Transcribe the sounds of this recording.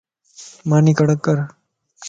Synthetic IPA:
manikəɽəkːəɾ

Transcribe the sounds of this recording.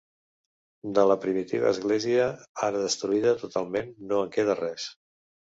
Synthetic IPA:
d̪ələpɾimit̪iβə̰ːzɣleziəaɾəðəst̪ɾuiðət̪ut̪alˠmenːoəŋkeðərɛs

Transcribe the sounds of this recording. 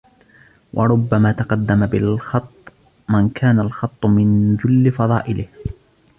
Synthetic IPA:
wʔɑ̰ɾˤʊbːamaːt̪ɑqɑd̪ːamabɪlxɑt̪ˤː | mankʰaːnalxɑt̪ˤːʊmɪnðʊlːɪfɑðˤɑːʔɪlɪh

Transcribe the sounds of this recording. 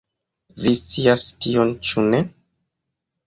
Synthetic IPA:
vist͡siastiont͡ʃune

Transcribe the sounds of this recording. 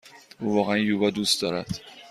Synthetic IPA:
ʔuːvɒːɣeænjuːvɒːd̪uːst̪d̪ɒːɾæ̰d̪̥

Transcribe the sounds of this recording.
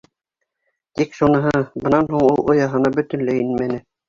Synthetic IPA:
t̪ikʃunɤ̆ɦɤbɤ̆nɑnɦuɴulˠʔŏjɑɦɤ̆nɑbɵ̆t̪ɘ̆nlæjinmænɘ

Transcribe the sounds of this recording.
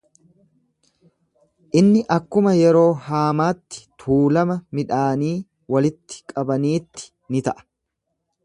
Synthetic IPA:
ʔɪnːɪʔɐkːʊmɐjɛɾo̞ːhaːmaːt̪ːɪ̥t̪ʰuːlɐmɐmɪᶑaːniː | wɐlɪt̪ːɪ̥kʼɐbɐniːt̪ːɪ̥ | nɪt̪ɐʔɐ̥

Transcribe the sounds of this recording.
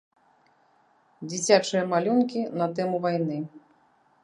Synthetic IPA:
d͡zʲit͡sʲat͡ʂɨjɐmalʲunkʲinɐt̪ɛmuvajnɨ

